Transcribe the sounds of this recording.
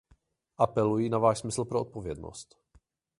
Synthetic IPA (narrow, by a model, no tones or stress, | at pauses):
ʔapɛlujinavaːʃsmɪsl̩pɾoot̪povjɛd̪no̰st̪